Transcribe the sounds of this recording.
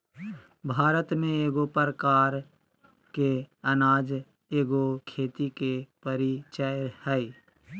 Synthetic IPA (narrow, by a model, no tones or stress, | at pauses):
bʱaːɾət̪mẽeːɡopəɾəkaːɾ | keənaːd͡ʒ | eːɡokʰeːt̪ikepəɾit͡ʃəjhɛi